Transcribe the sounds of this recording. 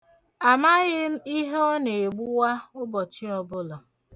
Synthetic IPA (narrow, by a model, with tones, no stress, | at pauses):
a˨ma˦ɣɪ˦m̩˦i˦ɦe˦ɔ˦ne˨e˨ɡ͡bu˦wa˦ʊ˦bɔ˨t͡ʃi˦ɔ˦bʊ˦lɔ˨